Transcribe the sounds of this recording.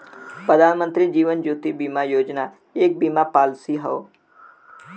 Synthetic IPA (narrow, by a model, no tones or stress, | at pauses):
pɾəd̪ʱaːnmə̃nt̪ɾid͡ʒiːʋənd͡ʒuːt̪ibimajoːd͡ʒna | eːk̚bimapaːlsiɦəo